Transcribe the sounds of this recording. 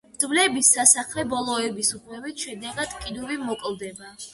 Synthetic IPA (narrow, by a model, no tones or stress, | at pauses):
d̪̥vlɛbisːasaχlɛbɔlˠɔɛbisupʰlɛvit̪ʰʃɛd̪ɛɡad̪̥kʼid̪uvimɔkʼlˠd̪ɛba